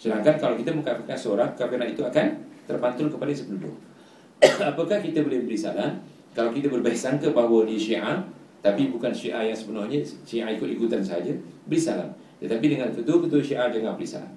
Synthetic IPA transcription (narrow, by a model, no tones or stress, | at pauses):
sədaŋkankalawkit̪əməŋkakakansəoɾaŋkakanaʔit̪uakant̪ərbant̪ʊlkəpaləsəpənudo̰ | apəkahkit̪əbolɪhbəɾisa̰la | kalawkit̪abərbaisaŋkəbaɦwədiəʃiʔa | t̪apibukanʃiʔahjaŋsəbənahɲəʃiʔaikʊt̪ikut̪ansəɦad͡ʒəbəɾisala̰h | t̪ət̪apidəŋãnkət̪uəkət̪uəʃiʔad͡ʒaŋãnbəlisa̰la̰